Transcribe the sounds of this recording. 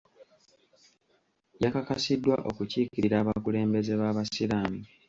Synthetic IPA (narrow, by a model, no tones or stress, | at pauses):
jakakasidːwaʔo̞kuciːkiɾiɾaːβakule̞ːmbe̞ze̞βaːβasiɾami